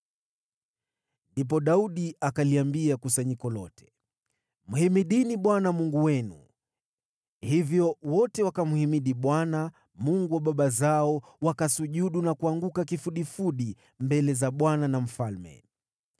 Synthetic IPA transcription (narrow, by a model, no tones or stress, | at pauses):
ndip̬ɔɗauɗiakaliambiakusaɲikɔlɔtʰɛ̥ | muhimiɗiniɓwanamuŋɡuwɛnṵ | hivjɔwɔtɛwakamuhimiɗiɓwana | muŋɡuwaɓaɓazaɔ | wakasuʄuɗunakuaŋɡukakifuɗifuɗi | mbɛlɛzaɓwananam̩falmɛ̰